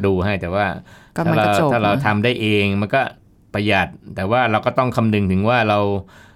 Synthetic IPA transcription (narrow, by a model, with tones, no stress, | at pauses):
duː˧ha˥˩jt̪ɛː˨˩waː˥˩a˥˩ɾa˧w̪aː˥˩ɾa˧wt̪ʰa˧mdaː˥˩jʔeː˧ŋma˧nkɔː˥˩ | pɾa˧ja˨˩t̪̚ːɛː˨˩waː˥˩ɾa˧wkɔː˥˩t̪ɔ˥˩ŋkʰa˧mdɯ˧ŋt̪ʰɯ˩˦ŋwaː˥˩ɾa˧w